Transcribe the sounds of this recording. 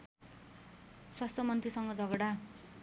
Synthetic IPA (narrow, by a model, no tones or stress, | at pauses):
swast̪ʰʌmʌnt̪risʌŋɡʌd͡zʱʌɡʌɽa